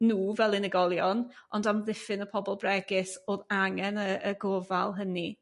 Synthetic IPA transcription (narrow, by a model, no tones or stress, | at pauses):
nuːvɛlˠɪnəɡɔlˠjɔnɔndamðɪfɪnəpʰɔbɔlˠbrɛɡɪsoːðaŋɛnəəɡovalˠɦəni